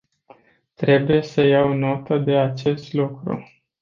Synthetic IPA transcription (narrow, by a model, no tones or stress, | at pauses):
t̪ɾe̞buje̞səjawno̞t̪əd̪e̞at͡ʃe̞st̪lukɾṵ